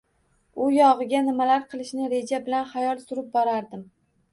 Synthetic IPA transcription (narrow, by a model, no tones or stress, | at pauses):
ʊjɒʁɨɡʲanɪmalaɾqʰɨlˠɪʃnɪɾe̞d͡ʒabɪlanχajɒlˠsʊɾɪp̚bɒɾaɾd̪ɪm